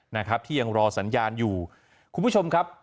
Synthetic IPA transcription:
na˦˥kʰɾa˦˥p̚t̪ʰiː˥˩ja˧ŋɾɔː˧sa˩˦njaː˧njuː˨˩ | kʰu˧nbʰu˥˩t͡ɕʰo˧mkʰa˦˥p̚

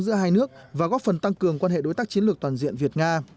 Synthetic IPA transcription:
zɨ̰˧˥əɦaː˧jnɨ˦˥ək̚vaː˨˩ɣɔ˨˦˥fə˨˩nt̪a˧ŋkɨ˨˩əŋkwaː˧nhḛ˧˨ɗo˨˦jt̪aː˦˥k̚t͡ɕi˨˦nlɨ˨˩k̚t̪waː˨˩nzḭ˧˨ənvi˨˩ət̚ŋaː˧

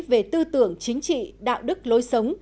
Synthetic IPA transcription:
ve˨˩t̪ɨ˧t̪ɨ˧˩əŋt͡ɕï˨˦ŋ̟t͡ɕḭ˧˨ɗa̰ː˧˨wɗɨ˦˥k̚lo˨˦jsə˨˦wŋ͡m

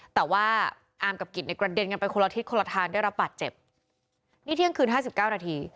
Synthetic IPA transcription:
t̪ɛː˨˩waː˥˩ | ʔaː˨˩mka˨˩ki˨˩t̪̚na˧˩jkɾa˧de˧nka˧npa˧jkʰo˧la˧i˦˥t̪̚kʰo˧la˧t̪ʰaː˧ndaː˥˩jɾa˦˥p̚baː˨˩t̪̚t͡ɕe˨˩p̚ | niː˥˩t̪ʰi˥˩əŋkʰɯː˧nɦaː˥˩s̬i˨˩p̚kaː˥˩wnaː˧t̪ʰiː˧

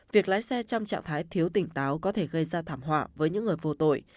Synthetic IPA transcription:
vi˨˩ək̚laː˧˥jsɛ˧t͡ɕɔ˧wŋ͡mt͡ɕa̰ː˧˨ŋt̪ʰaː˨˦jt̪ʰi˨˦əwt̪ï˧˩ŋ̟t̪aː˨˦wkɔ˨˦t̪ʰe˧˩ɣə˧jzaː˧t̪ʰaː˧˩mɦwa̰ː˧˩vəː˨˦jɲɨ̰˧˥ŋːɨ˨˩əjvo˧t̪o̰˧˨j

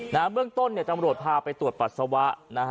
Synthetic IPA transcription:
naː˦˥mbɯ˥˩əŋt̪o˥˩nːi˥˩ət̪a˧mɾu˨˩ət̪̚pʰaː˧pa˧jt̪ɾu˨˩ət̪̚pa˨˩t̪̚sa˧wa˦˥ʔna˦˥

